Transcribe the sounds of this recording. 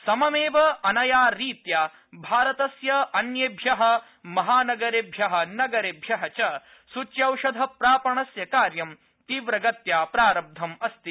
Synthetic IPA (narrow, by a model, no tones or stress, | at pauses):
sɐmɐmeːʋɐɐnɐjaːɾiːt̪jaː | bʱaːɾɐt̪ɐsjɐɐnjebʱjɐɦɐ̆ | mɐɦaːnɐɡɐɾebʱjɐɦɐ̆nɐɡɐɾeːbʱjɐɦɐt͡ʃɐ | sut͡ʃjɐwʃɐd̪ʱɐpɾaːpɐɳɐsjɐkaːɾjɐm | t̪iːʋɾɐɡɐt̪jaːpɾaːɾɐb̚d̪ʱɐmɐst̪i